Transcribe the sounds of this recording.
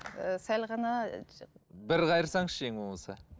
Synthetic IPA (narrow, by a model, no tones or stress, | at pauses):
sælʁɑnɑ | bɪɾqɑjəɾsɑɴʃʃeŋwomɑsə